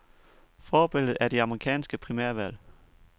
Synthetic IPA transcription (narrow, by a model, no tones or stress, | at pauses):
fɒːb̥e̝l̰ð̩ˠæɐd̥e̝ɑ̈məʁikʰɛ̰ːnsɡ̥əpʰʁimæɐ̰ʋæl̰